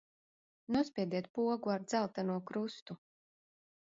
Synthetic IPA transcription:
nuɔspʲiɛd̪iɛt̪̚puɔɡuaɾd̪z̥alˠt̪anuɔkɾust̪u

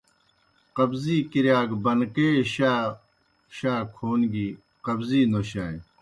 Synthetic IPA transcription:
qɐbziːkiɾjaːɡbɐnkeːɕaː | ɕaːkʰoːnɡi | qɐbziːnoɕaːe

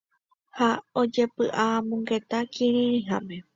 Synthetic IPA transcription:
haod͡ʒe̞pɨʔamũŋɡe̞t̪akʰĩɾ̃ĩɾĩɦame

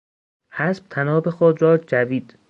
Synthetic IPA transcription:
hæsb̥̚t̪ʰænɒːbexod̪ɾɒːd͡ʒæviːd̪̥

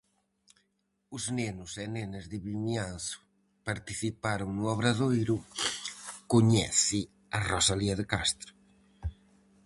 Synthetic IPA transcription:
ʊznɛnʊsɛnɛnazðɪβiɲanθʊ̥ | paɾt̪iθipaɾʊŋnʊɔβɾaðojɾʊ | koɲɛθɪ | arɔsaliɐðekast̪ɾʊ̥

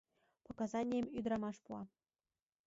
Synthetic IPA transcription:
pŏkɑzɑnʲijemyd̪ɾɑmɑʃpuɑ

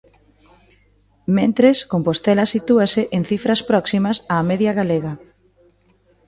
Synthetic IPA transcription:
mẽnt̪ɾeskompost̪ɛlɐsit̪uaseʔeŋθifɾɐspɾɔksimɐsaːmɛðjɐɣaleɣɐ

